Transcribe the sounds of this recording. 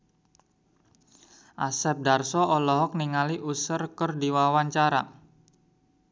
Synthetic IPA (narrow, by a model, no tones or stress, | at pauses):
ʔasɛp̚darsɔɔlɔɦɔk̚niŋaliʔusərkərdiwawaɲt͡ʃaɾa